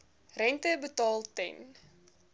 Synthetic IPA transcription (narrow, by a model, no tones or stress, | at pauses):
rɛntəbətɑːlˠtɛ̰n